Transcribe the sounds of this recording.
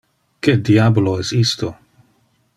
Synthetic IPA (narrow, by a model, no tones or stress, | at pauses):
kediaboloɛsist̪o